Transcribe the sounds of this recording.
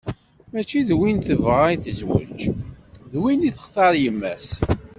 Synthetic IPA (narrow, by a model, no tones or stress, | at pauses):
mæt͡ʃːiðwint̪əvʁaiθəzwə̰d͡ʒðwiniθə̥χθɑɾjəmːæs